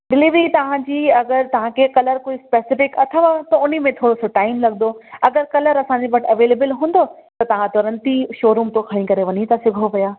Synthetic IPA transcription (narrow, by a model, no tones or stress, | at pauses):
ɖɪliːʋɾit̪ɐʋ̤ãd͡ʑiːɐɡəɾt̪ɐʋ̤ãkʰekɐləɾkʊispeːsɪfɪkɐt̪ʰəʋat̪oʊn̤imẽt̪ʰoːɽosoʈaːɪmlɐɡd̪oɐɡəɾkɐləɾɐsãɲd͡ʑebɐʈʰɐʋeːleːbəlɦũːnd̪o | t̪ɐt̪ɐʋ̤ãt̪ɔːɾə̃nt̪iʃoːɾũːmt̪okʰɐɽ̃ĩkɐɾeʋɐɲit̪ɐsɪɡʱoʋɐjaː